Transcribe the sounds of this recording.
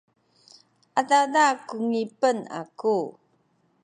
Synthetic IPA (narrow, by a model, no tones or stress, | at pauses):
adadakuŋipəna̰ku